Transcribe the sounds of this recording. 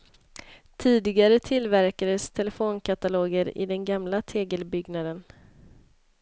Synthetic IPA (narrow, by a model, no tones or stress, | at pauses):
t̪ʰiːd̪ɪɡaɾət̪ʰɪlvæɾkad̪əst̪ʰɛlɛfoːnkʰat̪aloːɡəɾɪ̰d̪ɛnɡamlat̪ʰeːɡəlbʏɡnad̪ən